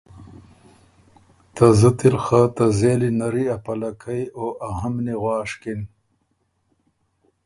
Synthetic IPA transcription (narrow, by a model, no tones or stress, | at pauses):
t̪azət̪iɾxat̪ɐzeːlinɐɾiɐpɐlɐkʰɐjoʔɐɦɐmneɣwɑːʂkin